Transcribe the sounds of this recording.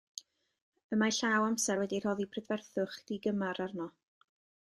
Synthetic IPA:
əmaɬaːwamsɛɾwɛdir̥ɔðibʰrɪdvɛrθʊχd̥iɡəmaɾarnɔ

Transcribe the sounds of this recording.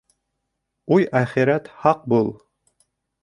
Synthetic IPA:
ujæχiɾæt̪hɑq̚bulˠ

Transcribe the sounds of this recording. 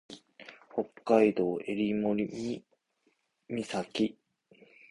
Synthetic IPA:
ho̞kːaid̪o̞ːe̞ɾʲimoɾʲimi | mʲisakʲi

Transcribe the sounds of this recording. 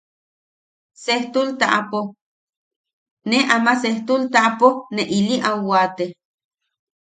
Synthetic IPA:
seht̪ult̪aʔapo | neʔamaseht̪ult̪aʔaponeʔiliʔawat̪e

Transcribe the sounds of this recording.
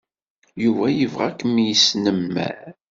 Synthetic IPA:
juvæjəvʁækːmijəsnəmːæ̰ɾ

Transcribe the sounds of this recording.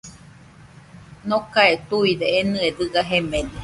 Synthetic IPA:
nokaet̪uideːnɨedɨɡaɦemẽde

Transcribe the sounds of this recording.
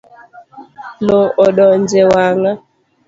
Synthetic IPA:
loɔɗɔnd͡ʒewaŋa

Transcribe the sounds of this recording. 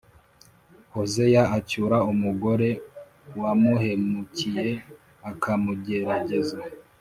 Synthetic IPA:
ho̞ze̞jaacuɾaumuɡo̞ɾe̞ | wamuhe̞mucije̞ | akʰamuɟe̞ɾaɟe̞za

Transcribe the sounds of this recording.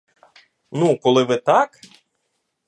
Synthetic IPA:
nukɔlˠɪʋɪt̪ɑk

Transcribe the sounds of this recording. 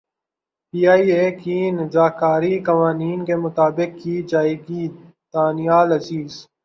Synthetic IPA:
piːaːiːeːkinɪzaːkaːɾikɐʋaːniːnkemʊt̪aːbɪkːiːd͡ʒaːeːɡi | d̪̥aːnijaːlɐziːz

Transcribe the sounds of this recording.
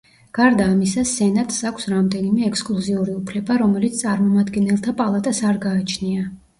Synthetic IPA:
ɡ̥aɾd̪aːmisasɛnat̪ʼsakʷʰsɾamd̪ɛnimɛːkʰskʼlˠuziuɾiupʰlɛbaɾɔmɛlit̪st̪ʼaɾmɔmad̪ɡɛnɛlˠt̪ʰapʼalˠat̪ʼasaɾɡaːt͡ʃʰnia

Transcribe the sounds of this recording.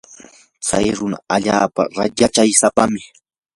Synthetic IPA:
t͡sajɾʊna̰aʎaːpa̰ɾajat͡ʃajsapamɪ

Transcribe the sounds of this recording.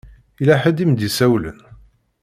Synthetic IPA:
ilæħəd̪imd̪isæwlə̰n

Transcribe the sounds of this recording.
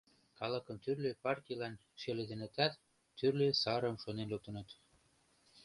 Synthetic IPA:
kɑlə̆kə̆mt̪yrlepɑrt̪ʲilɑn | ʃeled̪enĕt̪æt̪ | t̪ːyrlesɑɾəmʃonenluk̚t̪ə̆nə̆t̪

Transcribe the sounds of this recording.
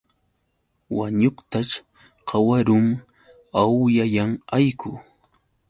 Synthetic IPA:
waɲoχt̪aʃ | qʰɑwaɾʊm | awjajaŋajkʊ

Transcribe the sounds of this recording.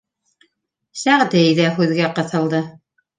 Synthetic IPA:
sæʁd̪ɘjðæɦʉðɡæqɤ̆θɤ̆lˠd̪ɤ

